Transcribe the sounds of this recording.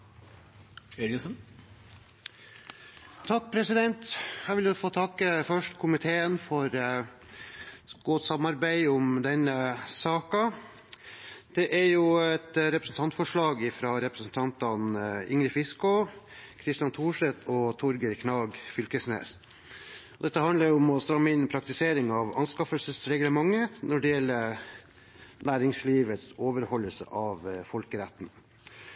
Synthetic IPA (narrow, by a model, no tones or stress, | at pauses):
ɛɾɪɡəsən | t̪ʰɑk̚ːpʰɾɛsɪd̪ɛnt̪hæːɾʋɪlæfoːt̪ʰɑkːəfœʂʈkʰʊmɪt̪ʰeːənfɔɾ | ɡ̥ɔt̪sɑmːɑɾbæɪʊmd̪ɛnəsɑːkɑ | d̪̥ɛʔæɾjʊɛt̪ɾɛpɾəsn̩t̪ʰɑnt̪fɔʂɭɑːɡɪfɾɑːɾɛpɾəsn̩t̪ʰɑnt̪ɑnɪŋɾɪfɪskɔkʰɾɪst̪ɪjɑnt̪ʰuːʂɛt̪ɔt̪ʰɔɾɡəɾkʰnɑːɡfʏlkəsnḛːs | ɔd̪ɛt̪ːəhɑnləɾjɔmɔst̪ɾɑŋːɪnpʰɾɑk̚t̪ɪseːɾɪŋɑʋɑnskɑfəlsəsɾɛɡləmɑŋːənɔɖɪjɛlːəɾ | næːɾɪŋsliːʋət̪soːʋəɾhɔlːəsə̰ʔɑʋfɔlkəɾæt̪ːn̩